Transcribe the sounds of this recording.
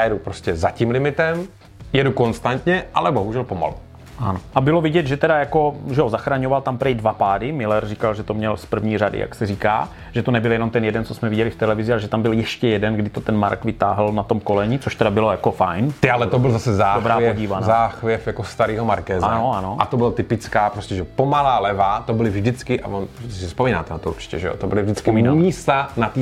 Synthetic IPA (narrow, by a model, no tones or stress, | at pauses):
jaːjɛdupɾoscɛzaciːmlɪmɪt̪ɛm | jɛdukonst̪ant̪ɲɛʔalɛboɦuʒɛlpoma̰lu | ʔanoʔabɪlovɪɟɛd̪ʒɛt̪ɛdajako̞ʒɛozaxɾaɲovalt̪ampɾɛjdvapaːdɪmɪlɛrrikalʒɛt̪o̞mɲɛlspr̩vɲiːr̝adɪ̰jʔa̰ksɛɾiːka̰ː | ʒ̥ɛt̪onɛbɪljɛnomt̪ɛnjɛdɛnt͡sosmɛvɪɟɛlɪft̪ɛlɛvɪzɪaʒɛt̪ambɪljɛʃcɛjɛdɛnɡdɪt̪ot̪ɛnma̰ɾkvɪt̪aːɦlnat̪o̞mko̞lɛɲit͡soʃt̪ɛdabɪlojakofajnt̪alɛt̪obɪlzasɛzaːdobɾaːɛɟiːvanazaːxvjɛfjakost̪aɾiːɦomaɾkɛːzanoanoʔat̪obɪlat̪ɪpɪt͡skaːpɾoscɛʒɛpomalaːlɛvat̪obɪlɪvʒdɪt͡skɪʔa̰vonssspomiːnaːt̪ɛnat̪ouɾt͡ʃɪ̥cɛ̰ʒɛo̰t̪obɪlɪvʒdɪt͡skɪmɪnumiːst̪anat̪iː